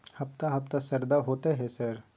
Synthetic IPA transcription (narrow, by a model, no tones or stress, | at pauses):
hɐpt̪aɦɐp̚t̪asɐɾd̪aɦoːt̪eɦɛsɐɾ